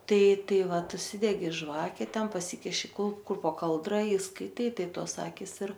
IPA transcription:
ˈtɐɪ ˈtɐɪ ˈʋɐt ʊʃʲˈsʲɪdʲɛɡʲɪ ˈʒʋɑːkʲɛ ˈtʲɛn pɐˈsʲɪkʲɪʃʲɪ ˈkʊlˠ ˈkʊr poː ˈkɐlˠdrɐ ɪ skɐɪˈtɐɪ ˈtɐɪ ˈtoːs ˈɑːkʲɪs ɪr

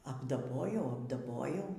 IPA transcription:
ɐbdɐˈboːjɛʊ ɐbdɐˈboːjɛʊ

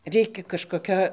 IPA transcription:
ˈrʲɛɪkʲɛ kɐʃkoːˈkʲoː

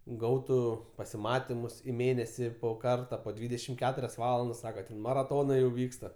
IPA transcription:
ˈɡɐʊtʊ pɐsʲɪˈmɑːtʲɪmʊs ɪ ˈmʲeːnʲɛsʲɪ poː ˈkɐrtɐ poː ˈdʲʋʲiːdʲɛʃʲɪm ˈkʲæːtʊrʲɛs ˈʋɑːlˠɐndɐs ˈsɑːkɐ mɐrɐˈtoːnɐɪ jɛʊ ˈʋʲiːkstɐ

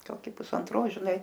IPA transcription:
ˈkoːkʲɪ pʊsɐnˈtroːs ˈʒʲɪˈnɐɪ

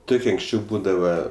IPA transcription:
ˈtʊkʲiɛ ɐŋksʲˈt͡ʃʲɛʊ ˈbuːdɐʋɐ

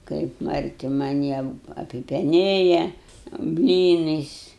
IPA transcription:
kɐɪp mɐrʲˈtʲɪ mɐˈnʲiː ɐp ɐpʲɪpʲɛˈnʲeːjɛ ˈbʲlʲiːnɐɪs

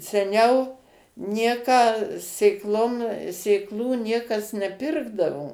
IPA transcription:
sʲɛˈnʲɛʊ ˈnʲiɛkɑː sʲeːkˈlˠoːm sʲeːkˈlˠuː ˈnʲiɛkɐs nʲɛˈpʲɪrɡdɐʋoː

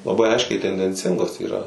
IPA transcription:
lˠɐˈbɐɪ ˈɐɪʃʲkʲɛɪ tʲɛnʲdʲɛnʲˈt͡sʲɪŋɡoːs iːˈrɐ

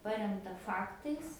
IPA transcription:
ˈpɑːrʲɛmtɐ ˈfɑːktɐɪs

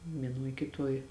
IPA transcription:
ʋʲiɛˈnuɔj kʲɪˈtuɔj

